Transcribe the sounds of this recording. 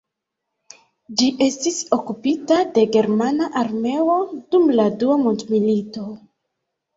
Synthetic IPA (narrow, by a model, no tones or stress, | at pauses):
d͡ʒiʔe̞stiso̞kupitade̞ɡe̞ɾmanaʔaɾme̞o̞dumladuamondmilito̞